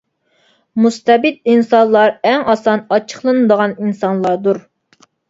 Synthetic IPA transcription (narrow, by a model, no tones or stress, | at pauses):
must̪ɛbɪd̪̚insɑnlˠɑɾɛŋɑsɑnɑt͡ʃʰə̥χlˠɨnɨd̪əʁɑninsɑnlˠɑɾd̪uɾ